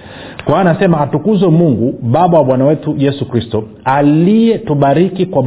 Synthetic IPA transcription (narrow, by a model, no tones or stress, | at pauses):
kwanasɛmaːtukuzɛmuŋɡuɓaɓawaɓwanawɛtujɛsukɾistɔ | alijɛtuɓaɾikikwa